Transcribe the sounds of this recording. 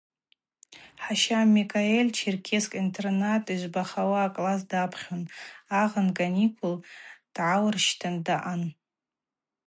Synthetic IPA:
ħaʃamikʰʼaelʲt͡ʃʰirkʲʰeskʼintʰʼernatʼiʒʷbaχawaːkʼlas̬dapʰχʲonaʁənkʼanikʰʼuld̥ʕawrʃtʰandaʔan

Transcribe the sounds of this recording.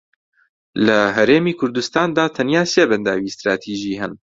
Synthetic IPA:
lɐɦɛɾeːmiːkʰʊɾd̪ust̪aːnd̪aːt̪ʰɐnjaːseːbɛnd̪aːwiːst̪ɾaːt̪ʰiːʒiːɦɛn

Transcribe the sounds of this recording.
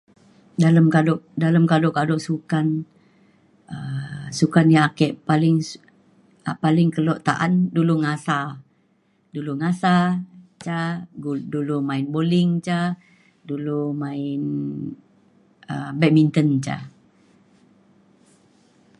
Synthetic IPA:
daləmkadɔʔdaləmkadɔʔkadɔʔsukan | əsukanjaakɛʔpalɪŋ | apalɪŋkəlɔʔt̪aʔanduluŋasa | duluŋasat͡ʃa | dulumaɪnbolɪŋt͡ʃa | dulumaɪn | əbɛk̚mint̪ənt͡ʃa̰

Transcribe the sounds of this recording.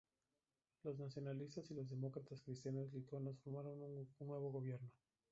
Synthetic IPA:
lo̞znasjo̞nalist̪asilozðe̞mo̞kɾat̪askɾist̪janazlit̪onasfoɾmaɾo̞nunwe̞βo̞ɣo̞βje̞ɾno̞

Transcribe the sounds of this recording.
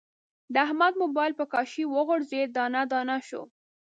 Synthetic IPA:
d̪əahmad̪̚mobɑjlpəkɑʃiwəɣoɽzed̪ɑnad̪ɑnaʃo̰

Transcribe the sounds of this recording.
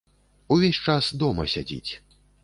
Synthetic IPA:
uvʲesʲt͡ʂasd̪ɔmɐsʲad͡zʲḭt͡sʲ

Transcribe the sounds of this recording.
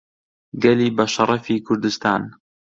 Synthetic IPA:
ɡɐliːbɐʃɑɾˤɑfiːkʰʊɾd̪ɨst̪aːn

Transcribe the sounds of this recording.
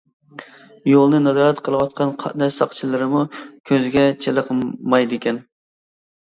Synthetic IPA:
jolˠnɨnɑzɑːɾɛt̪qʰəlˠɨwɑt̪qʰɑnqʰɑnɛsɑqt͡ʃʰilˠɨɾɨmukʲʰøzɡʲɛt͡ʃʰelˠəqʰəmɑjd̪ɪkʲɛn

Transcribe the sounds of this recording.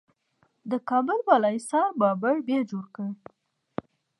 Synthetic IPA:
d̪əkɑbʊlbɑlɑjisɑɾbɑbəɽbjɑd͡ʒoɽkəɽ

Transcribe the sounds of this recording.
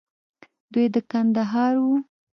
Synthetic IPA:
d̪ujd̪əkand̪aɦɑɾwu

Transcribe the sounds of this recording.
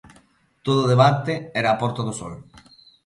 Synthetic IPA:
t̪oðoðeβant̪eɛɾaːpɔɾt̪aðoso̰l

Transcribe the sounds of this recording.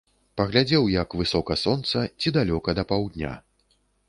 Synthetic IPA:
pɐɣlʲad͡zʲɛwjɐkvɨsɔkɐsɔnt̪sɐt͡sʲid̪alʲɔkɐd̪ɐpawd̪ʲnʲa̰

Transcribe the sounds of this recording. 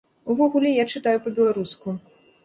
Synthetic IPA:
uvɔɣulʲɛjat͡ʂɨt̪ajupɐbʲɛlˠaɾusku

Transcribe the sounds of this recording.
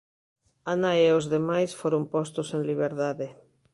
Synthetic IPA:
anaeozðemajsfoɾompɔst̪oseŋliβ̞eɾðaðe

